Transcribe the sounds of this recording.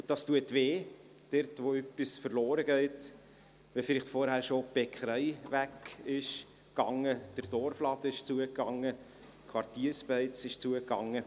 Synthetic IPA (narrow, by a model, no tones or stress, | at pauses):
ʊdɑstuətʋeː | d̥ɛɾtʋoœpːisfəɾlɔːɾəɡɛɪt | ʋɛfɪlɪχtfoɾhæːɾʃob̥ɛkχɾɛɪʋækɪʃ | kɑŋːəd̥ərd̥ɔɾflɑd̪əɪʃt͡suəkːɑŋːə | kʰʋɑrtiːɾspɛɪt͡sɪʃt͡suəkːɑŋːə